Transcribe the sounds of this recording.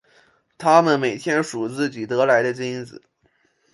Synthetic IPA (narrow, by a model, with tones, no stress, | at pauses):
t̪ʰa˥mə˨nme˨˩ɪt̪ʰjɛ˥nʂu˨˩t͡sɹ̩˥˩t͡ɕi˨˩t̪ɤ˧˥la˧˥ɪd̪ə˧t͡ɕi˥nd͡zɹ̩˨˩˦